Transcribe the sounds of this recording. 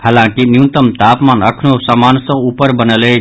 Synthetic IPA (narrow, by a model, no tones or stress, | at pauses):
həlãkinjunt̪əmt̪aːpmanəkʰnosamansə̃upəɾbənəle